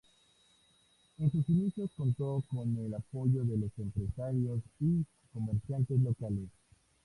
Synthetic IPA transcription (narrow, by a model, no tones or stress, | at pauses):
e̞nsusinisjoko̞nt̪oko̞ne̞lapo̞ʝo̞ðe̞lo̞se̞mpɾe̞saɾjo̞si | ko̞meɾsjant̪e̞s̬lo̞kales